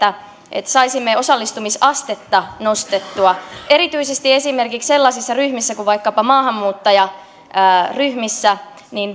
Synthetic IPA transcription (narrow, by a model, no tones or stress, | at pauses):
æ | ʔḛt̪sɑisimːeo̞sɑlːist̪umisɑst̪et̪ːɑno̞st̪et̪ːuɑeɾit̪yisest̪iesimerkiksselːɑsisːɑryhmisːækuʋʋɑikːɑpɑmɑːhɑmːuːt̪ːɑjɑ | əːryhmisːæ | nin